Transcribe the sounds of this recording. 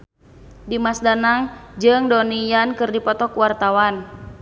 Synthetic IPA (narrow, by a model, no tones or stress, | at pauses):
dimasdanaŋd͡ʒɨŋdɔnijankɨrdipɔt̪ɔkuwart̪awan